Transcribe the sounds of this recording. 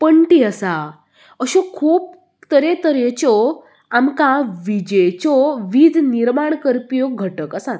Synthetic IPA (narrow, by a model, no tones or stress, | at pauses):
pəɳʈiəsa | əɕɔkʰuːp̚ | t̪əɾet̪əɾet͡ɕɔ | amkãʋid͡ʑəjt͡ɕɔʋiːd͡zʱniɾmaɳkəɾpijoɡʱəʈəkəsat̪